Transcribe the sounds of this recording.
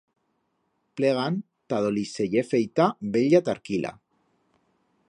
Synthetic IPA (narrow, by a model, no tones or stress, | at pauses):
pleɣ̞an | t̪að̞olisejefejt̪abeʎat̪aɾkilʔa̰